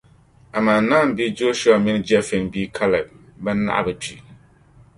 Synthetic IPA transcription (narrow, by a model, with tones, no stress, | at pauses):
a˨ma˨n˨na˦m˨bi˦d͡ʒo˦ʃu˦a˨mi˦nɨ˦d͡ʒɛ˦fɛ˨nbiː˦kʰa˦lɛ˨b̚ba˦nːa̰˦ʔa̰˦˨bɨ˨t͡ʃi˨